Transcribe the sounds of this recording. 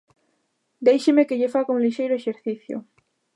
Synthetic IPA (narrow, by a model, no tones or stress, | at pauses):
d̪ejʃemekeʎefaɣoŋliʃejɾoeʃeɾθiθjo̰